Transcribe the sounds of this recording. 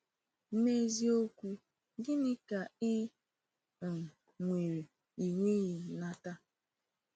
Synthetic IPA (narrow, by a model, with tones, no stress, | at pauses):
m̩˦me˦zi˦o˦kʷu˦ | dɪ˦nɪ˦ka˨ɪ˦˨ | ŋʷe˨ɾe˨ | i˨ŋʷe˦ɣi˨na˦ta˦